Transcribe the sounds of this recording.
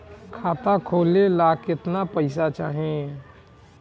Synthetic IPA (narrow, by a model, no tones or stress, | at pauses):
kʰaːt̪akʰoːlelaːkɪt̪napəɪsat͡ʃa̰ːɦẽ